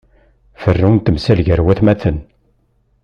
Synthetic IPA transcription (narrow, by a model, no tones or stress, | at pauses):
fərːunt̪əmsælʝəɾwæθmæθən